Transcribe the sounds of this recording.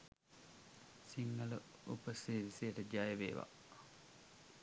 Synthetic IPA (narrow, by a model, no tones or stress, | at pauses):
siŋːələ | upəsiːɾisiəʈəd͡ʒajeʋeːʋa̰